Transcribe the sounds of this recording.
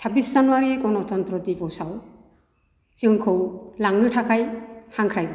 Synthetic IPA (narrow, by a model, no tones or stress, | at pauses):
sʰabiszanuwaɾikɔnɔt̪ɔnt̪ɾɔd̪ipɔwsaw | kiɔŋkʰowlaŋnɯʈʰakajhaŋkʰɾajbɔ